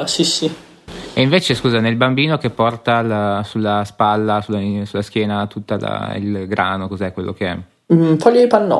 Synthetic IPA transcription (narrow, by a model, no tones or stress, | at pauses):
asisi | eiɱveːt͡ʃeskuːzanelbambiːnok̟epːɔrt̪alasulːaspalːasulːasulːask̟jɛːnat̪ut̪ːala̰ḭlɡɾʔaːnokozɛkːwelːokeɛ̰ | fɔʎːoipanːɔ̰